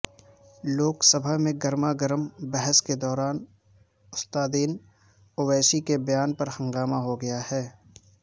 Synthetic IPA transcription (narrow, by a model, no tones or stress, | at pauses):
loːksəbʱaɦmẽɡɐɾmaɡəɾəmbɛɦəsked̪ɔːɾaːn | ʊst̪aːd̪iːn | oʋɛːsikebɐjaːnpɐɾhɐ̃ŋɡaːmaɦoɡɐjahɛː